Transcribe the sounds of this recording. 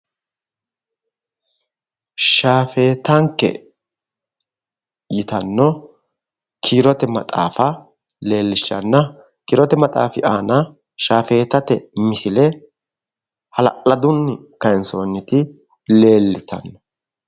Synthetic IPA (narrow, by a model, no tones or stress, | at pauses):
ʃaːfe̞ːt̪ɐŋkːɛ̰ | jɪt̪ɐnːɔ | kʰiːɾɔt̪ɛmɐt̪ʼa̰ːfɐ | le̞ːlːɪʃːɐ̰nːɐ | kiːɾɔt̪ɛmɐt̪ʼa̰ːfɪʔaːnɐ | ʃaːfe̞ːt̪ɐt̪ɛmɪsɪlɛ | hɐlɐ̰kʼlɐd̪ʊnːɪ | kɐɛnsoːnːɪt̪ɪ | le̞ːlːɪt̪ɐ̰nːɔ̥